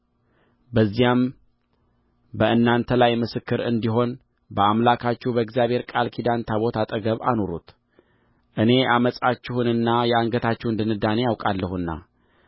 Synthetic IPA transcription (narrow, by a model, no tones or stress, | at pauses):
bəzːijam | bəɨnːant̪ʰəlajmɨsɨkːɨɾɨ̰nd̪iɦo̞n | bəamlakʰat͡ʃːɛhwbəɛɡzjaβhe̞ɾkʼalkʰid̪ant̪ʰaβo̞t̪ʰat̪ʼəɡəβa̰no̞ɾut̪ | ʔɨne̞ʔaməsʼat͡ʃːɪhɨnɨnːajɛaŋɡət̪ʰat͡ʃːɛhɨnd̪ɨnɨd̪ane̞jawkʼalːəhuɨnːa̰